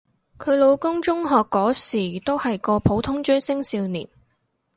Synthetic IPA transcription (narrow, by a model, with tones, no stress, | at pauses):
kʰɵ˨˧ɥlo˨˧wkʊ˥ŋt͡ʃʊ˥ŋɦɔː˨kːɔː˨˥siː˨˩t̪o˥whɐ˨jkɔː˧pʰo˨˥wt̪ʰʊ˥ŋt͡ʃœ˥sɪ˥ŋsiː˧wniː˨˩n